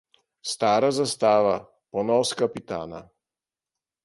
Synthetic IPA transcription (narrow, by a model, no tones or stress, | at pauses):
st̪aːɾazast̪aːʋa | pɔnɔːskapit̪a̰ːna̰